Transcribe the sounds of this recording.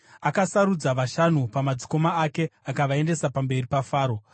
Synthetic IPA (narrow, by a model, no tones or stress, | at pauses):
akasaɾud͡zaʋaʃanupamad͡ziko̞maːke̞akaʋae̞nde̞sapambe̞ripafaːɾo̞